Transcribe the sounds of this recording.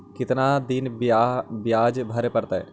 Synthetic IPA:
kɪt̪nad̪ɪn | bjaːd͡ʒbʱɐɾepəɾt̪aɛ̰

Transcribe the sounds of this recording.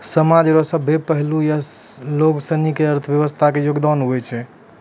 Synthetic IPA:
səmad͡ʒɾɔsəbʱːepəɦlujaloksənikeəɾt̪ʰəbjəʋəst̪ʰakejoɡd̪anɦojt͡ʃʰɛ

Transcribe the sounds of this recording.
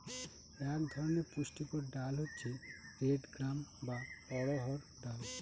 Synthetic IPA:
ɛkd̪ʱɔɾoneɾpuʃʈipoɾɖalɦotːɕʰeɾeɖɡɾambapɔɽoɦɔɾ | ɖal

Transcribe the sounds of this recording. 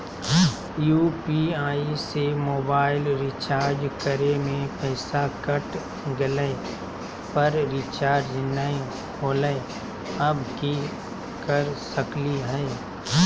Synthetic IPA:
juːpiaːisemoːbaːɪlɾɪt͡ʃaːɾd͡ʒkəɾemẽpɛːsakəʈ | ɡɪlɛe | pəɾɾit͡ʃaːɾd͡ʒnae | oːlə | əbki | kəɾsəkliɦɛː

